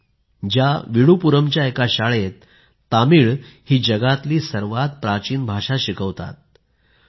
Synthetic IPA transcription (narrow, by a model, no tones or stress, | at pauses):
d͡ʑjaʋiɽupuɾəmt͡ɕjaekaɕaɭet̪ː | amiːɭhiːd͡ʑəɡat̪liːsəɾʋat̪̚pɾat͡ɕiːnbʱaʂaɕikəʋt̪a̰t̪̚